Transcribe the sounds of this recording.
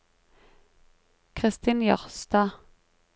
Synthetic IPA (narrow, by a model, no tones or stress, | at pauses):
kʰʁɪst̪iːnjɑ̰ʁst̪ɑː